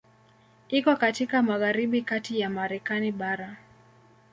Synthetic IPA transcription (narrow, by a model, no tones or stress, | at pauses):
ikɔkatikamaɣaɾiɓikatijamaɾɛkaniɓaɾa